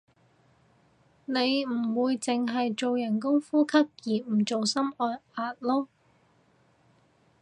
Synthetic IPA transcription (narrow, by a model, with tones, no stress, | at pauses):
ne˨˧jm̩˨˩wuː˨˧jt͡sɪ˨ŋɦɐ˨jt͡so˨wjɐ˨˩nkʊ˥ŋfuː˥kʰɐ˥k̚jiː˨˩m̩˨˩t͡so˨wsɐ˥mɔː˧jaː˧t̚lɔː˥